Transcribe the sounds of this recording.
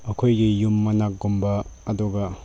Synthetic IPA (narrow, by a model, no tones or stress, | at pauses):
ɐkʰojɡijumːɐnak̚ɡumbɐɐduɡɐ